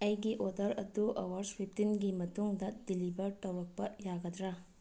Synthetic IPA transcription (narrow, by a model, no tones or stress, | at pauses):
ɐjɡiʔodɐɾɐduʔɐ̰wɐɾspʰip̚tinɡimɐtuŋdɐdilibʱɐɾtɐwɾɐk̚pɐjaɡɐd̪ɾa